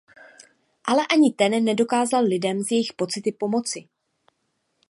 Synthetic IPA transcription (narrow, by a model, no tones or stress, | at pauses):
ʔalɛʔaɲɪt̪ɛnːɛdo̞kaːzallɪdɛmzjɛjɪxpo̞t͡sɪt̪ɪpo̞mo̞t͡sɪ